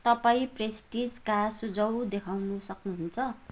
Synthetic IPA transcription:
t̪ʌpaĩpresʈid͡zkasud͡zʌwd̪ekʰawnusʌknuɦunt͡sʰʌ

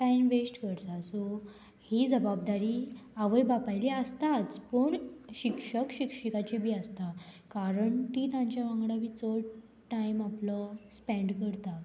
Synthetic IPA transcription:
ʈajmʋesʈkəɾt̪asɔ | hid͡zəbab̚d̪aɾiːaʋəjbapajliəst̪at͡spəɳɕikʂəkɕikɕikat͡ɕibʱiːəst̪a | kaɾəɳt̪iːt̪ãɲt͡ɕjaʋãŋɡɽaʋit͡səɽ | ʈajmapləspẽɳɖkəɾt̪a

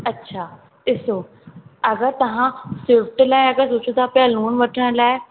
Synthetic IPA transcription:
ɐtːʃʰaː | ɪso | ɐɡəɾt̪ɐʋ̤ãsɪfʈlaːeɐɡəɾsoːt͡ɕʰũt̪ʰaːpaluːnʋɐʈʰəɽ̃laːe

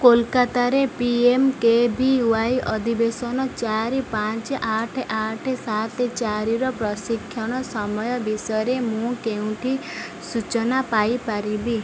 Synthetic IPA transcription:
kolkat̪aɾepiemkebʱiuajʔɔd̪ʱibesɔnɔt͡ʃaɾipãt͡ʃʔaʈʰʔaʈʰesat̪et͡ʃaɾiɾɔpɾɔsikʰːjɔɽ̃ɔsɔmɔjɔbisɔɾemũkeũʈʰi | sut͡ʃɔnapajpaɾibi

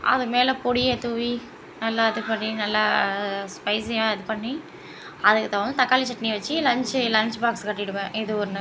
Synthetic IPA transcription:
ʔɐ̰ðɯmeːlɐpɔɽɪjet̪uːʋi | nɐlːaːɐðɯpɐɳːinɐlːaspɐɪsjãːɐðɯpɐɳːi | ɐðɯkːɯt̪ɐʋɐnd̪ɯt̪ɐkːaːlit͡ʃɐʈːɐniʋɐt͡ʃːilɐɲt͡ʃɯlɐɲt͡ʃɯbaːkskɐʈːɪɽɯpːɛ̃ːʔɪðɯɔɾɯn

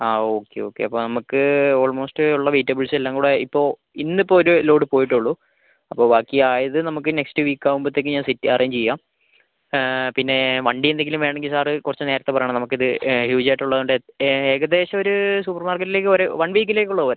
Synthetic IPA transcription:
aːo̞ːkːḛo̞̰ːkːe̞̰ɐpːo̞ːnɐmukːɨo̞ːɭmo̞ːstɨuɭːɐʋiːtːɐbɐlselːaːŋkuːɽeipːo̞ː | inːipːoːoɾuloːɖɨpo̞ːjiʈːuɭːu | ɐpːoːʋaːkːiaːjɐðɨnɐmukːɨne̞kstɨʋiːkːaːʋumbot̪ːe̞ːkːɨɲaːnsitːiɐrʔejɲt͡ɕejːaːm | pinːe̞ʋɐɳɖiend̪e̞ŋɡilumʋe̞ːɳeŋɡilsaːrɨkurɐt͡ɕːɨne̞ːɾɐt̪ːe̞pɐjaɳɨnɐmukːiðɨhjuːd͡ʑaːjʈːuɭːɐðuɳɖeeːɣɐd̪e̞ːɕɐo̞ɾusupːɐrmaːrkɐʈːileːk̬ːɨoɾeʋɐɳʋiːk̬ʲːinle̞ːkʲːuɭːɐðɨʋɐɾe

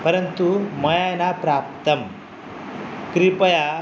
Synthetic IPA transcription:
pəɾənt̪uməjajnapɾap̚t̪əm | kɾipəja

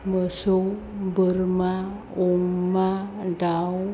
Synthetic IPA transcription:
məsow | bəɾma | oŋmaɖaw

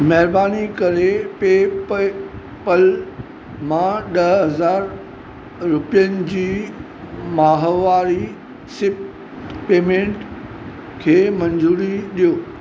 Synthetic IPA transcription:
mɛɦɪɾbaːnikɐɾepe | pəl | mãɗɐɦɐzaːɾ | ɾʊpijənɪ̆d͡ʑiː | maːɦʋaːɾi | sɪp | peːmẽːɳʈ | kʰeːmɐ̃ɲd͡ʑuːɾiɗijoː

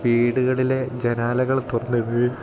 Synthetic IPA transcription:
ʋiːɽuɣɐɭile̞d͡ʑenaːlɐɣɐɭt̪urɐnːɨʋɨ

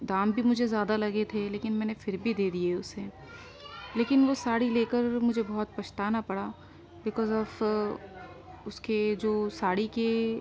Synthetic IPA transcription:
d̪aːmbʱimʊd͡ʒʱezjaːd̪alɐɡet̪ʰeleːkɪnmɛ̃ːnefɪɾbʱid̪eːd̪ieʊse | leːkɪnʋosaːɽileːkəɾmʊd͡ʒʱebɔɦɔt̪̚pɐʃt̪aːnapɐɽaː | bɪkɔːzɔːf | ʊsked͡ʒoːsaːɽike

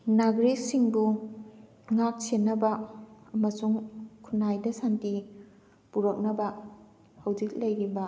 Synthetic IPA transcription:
naɡɾisiŋbu | ŋak̚senːɐbɐɐmɐsuŋkʰunajdɐsanti | puɾɐk̚nɐbɐ | hɐwd͡ʒik̚lɐjɾibɐ

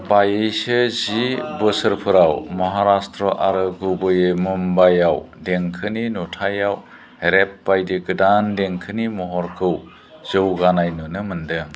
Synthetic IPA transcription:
bajɯjsɯzibɯsɯɾpʰɯɾawmɔɦaɾastɾɔʔaɾɯɡubɯjɯmɯmbajawdeŋkʰɯninɔtʰajaw | ɾep̚bajdiɡɯdandeŋkʰɯnimɔɦɔɾkʰɯw | z̥ɯwɡanajnɯnɯmɯndɯ

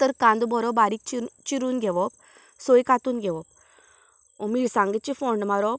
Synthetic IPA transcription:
t̪əɾkãnd̪ubɔɾɔbaɾik̚t͡ɕit͡ɕiɾuːnɡʱɛʋɔp̚ | sojkat̪uːnɡʱɛʋɔp | miɾsãŋɡet͡ɕifɔɳɖmaɾɔp

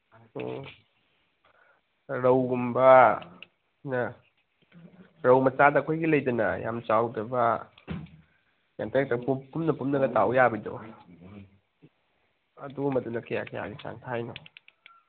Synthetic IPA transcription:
o̰ | ɾɐwɡumbɐ | nɐ | ɾɐwmɐt͡ʃadɐːkʰojɡilɐjdɐnɐ̰ja̰mt͡ʃawdɐbɐ | ja̰ntek̚tɐpupumnɐpumnɐɡɐtawjabido̰ | ɐduɡmɐdunɐkʰɐja̰kʰaja̰ɡit͡ʃa̰ntʰajno

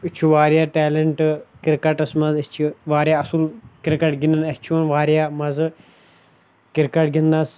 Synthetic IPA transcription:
it͡ʃʰuʋaːɾjaːʈɛːlɐɳʈɨkiɾkɐʈɐsmɐzɐt͡ʃʰiʋaːɾjaɐsulkiɾkɐʈɡinɐnɐt͡ʃʰunʋaːɾjaːmɐzɨ | kiɾkɐʈɡind̪ɐs

